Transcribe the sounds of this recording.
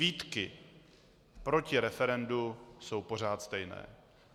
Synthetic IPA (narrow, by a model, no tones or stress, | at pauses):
iːt̪kɪ | pɾo̞cɪɾɛfɛɾɛnduso̞wpo̞r̝aːt̪st̪ɛjnɛ̰ː